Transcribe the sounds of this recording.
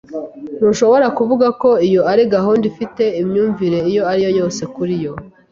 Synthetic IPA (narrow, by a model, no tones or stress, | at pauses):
nuʃo̞βo̞ɾakuvuɡako̞ijoaɾiɡaɦuːndifite̞imɲuːɱviɾe̞ijo̞aɾijo̞jo̞ːse̞kuɾijo̞